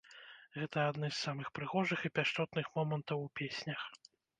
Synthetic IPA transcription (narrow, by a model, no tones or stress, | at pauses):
ɣɛt̪ɐad̪nɨjsːamɨxpɾɨɣɔʐɨxipʲaʂt̪ɔt̪nɨxmɔmɐnt̪ɐwupʲesʲnʲɐx